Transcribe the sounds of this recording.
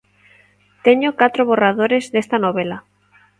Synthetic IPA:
t̪eɲokat̪ɾoβ̞orað̞oɾezðest̪anoβela

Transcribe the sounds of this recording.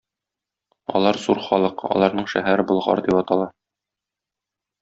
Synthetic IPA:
ɒ̰lˠɑɾzuɾχɒlˠɤqɒ̰lˠɑɾnɤɴʃæ̰ɦæɾɘbŏlˠʁɑ̰ɾd̪ipɒt̪ɑlˠɑ

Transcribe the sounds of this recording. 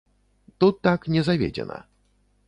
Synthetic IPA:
t̪ut̪ːakɲʲɛzavʲjḛd͡ʑɛ̰na̰

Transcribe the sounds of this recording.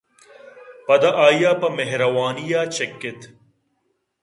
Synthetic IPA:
pɐd̪ɐʔaːjaːpɐmeɦɾɐwaːnijaːt͡ʃɐkːɪt̪

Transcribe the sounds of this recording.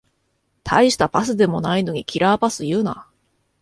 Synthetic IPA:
t̪ʰa̰iɕi̥t̪apasɨd̪e̞mo̞naino̞ɲ̟ikʲiɾaːpasɨjɯ̟ːna

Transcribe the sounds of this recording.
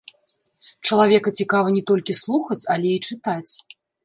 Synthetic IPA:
t͡ʂɐlˠavʲɛkɐt͡sʲikavɐnʲɛt̪ɔlʲkʲislˠuxɐt͡sʲɐlʲɛit͡ʂɨt̪at͡sʲ

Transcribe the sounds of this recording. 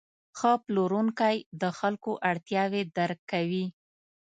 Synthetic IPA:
xəploɾuŋkajd̪əxalkoʔaɽt̪jɑwed̪aɾkːawi

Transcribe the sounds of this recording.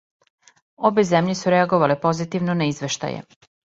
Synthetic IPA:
obezemʎesuɾeaɡoʋalepo̞zit̪iʋnonaizʋe̞ʃt̪a̰jḛ

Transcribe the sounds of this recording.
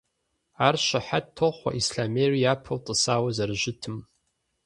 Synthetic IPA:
aːrɕʷɐħattʰːoχʷa̰ʔisɬaːmeːrijaːpʰɐwtʼɨsaːwɐzɐrɨʒɪtʰɨm

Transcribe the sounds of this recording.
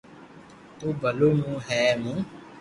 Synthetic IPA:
obɔlonũhɛmũ

